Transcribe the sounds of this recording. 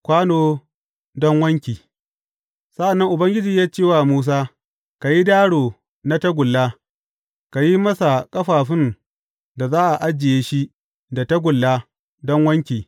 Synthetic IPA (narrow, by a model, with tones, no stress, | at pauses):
kʷaː˦noː˦ | dɔ˦ŋwɐ˦ŋkʲiː˨ | sa˦ʔa˨nːɐ˦ŋʔʊ˨bɐ˦ŋɡʲɪ˦d͡ʒiː˨jaː˦t͡ʃeː˦˨waː˨muː˦s̬aː˦ | ka˨ji˦daː˦ɽoː˨ | na˦ta˦ɡʷʊ˨lːaː˦ | ka˨ji˦mɐ˦sa˨kʼɐ˦ɸaː˨ɸɪ˦n | da˨zaː˦ʔa˨ʔa˦d͡ʒɪ˨jeː˦ʃi˦ | da˨ta˦ɡʷʊ˨lːaː˦ | dɔ˦ŋwɐ˦ŋkʲiː˨